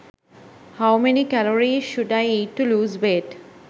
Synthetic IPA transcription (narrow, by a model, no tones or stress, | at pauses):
hawmenikɛloɾizʃuɖaɪiʈːuluːzbeʈ